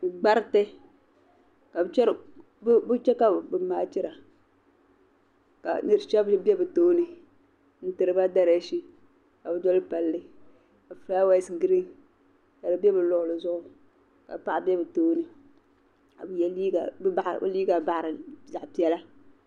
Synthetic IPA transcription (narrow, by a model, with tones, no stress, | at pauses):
ɡ͡ba˦ɾtɛ˦ | ka˨bɨ˨t͡ʃɛ˦ɾ | bbɨ˦t͡ʃɛ˦ka˦˨bɨ˨maː˨t͡ʃi˦ɾa˨ | ka̰˨nɨ˦ɾɨ˦t͡ʃɛ˦bbɛ˦bɨ˨toː˦nɨ˨ | n̩˦tɨ˨ɾɨ˨ba˦da˦ɾa˨˦ʃi˦ | ka˨bɨ˦dɔ˦lɨ˦pa˨lːɨ˦ | ka˨fla˦wa˦sɡi˦ɾi˦ŋ | ka˨dɨ˨bɛ˦bɨ˨lʊ˨ʔʊ˨lɨ˨zʊ˦ʔʊ˦ | ka̰˨pa˦ʔa˨bɛ˦bɨ˨toː˦nɨ˨ | ka˨bɨ˦jɛ˨li˦ɡa˨bba˨ʔbɨ̰˦liː˦ɡa˨ba˨ʔɾɨ˨za˨ʔpi˨ɛ˦la˦